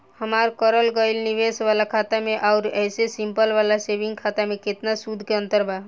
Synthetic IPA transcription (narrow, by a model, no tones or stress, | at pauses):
həmaɾkəɾəlɡəilniʋesʋalakʰat̪ameʔaʊɾɛːsesimpəlʋalasebiŋɡkʰat̪amẽket̪nasud̪ʱkeənt̪əɾba